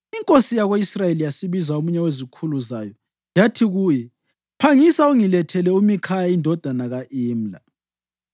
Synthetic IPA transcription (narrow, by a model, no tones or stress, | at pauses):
iŋkʼosijaɣeisrajelijasiβizaomuɲɛwezikʰuluza̰ːjɔ | jatʰiɣuːjɛ | pʰaŋisauŋilɛtʰɛlɛumikʰajaindʱɔd̥ʱanaɣaʔiːm̩la̰